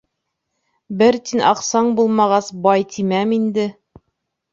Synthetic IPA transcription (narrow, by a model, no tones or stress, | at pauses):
bɘɾt̪inʔɑ̰qsɑɴbulˠmɑʁɑsbɑjt̪ʰimæmind̪ɘ